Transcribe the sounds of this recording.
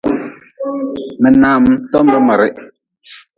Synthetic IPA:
mɛ˨na˨m˦tɔ˦m̩˦bɛ˦mɛ˨ɾɛ˦ʔ

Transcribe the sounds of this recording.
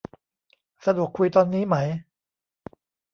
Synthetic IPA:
sa˧du˨˩əkʰːu˧jt̪ɔː˧nːiː˦˥ma˦˥j

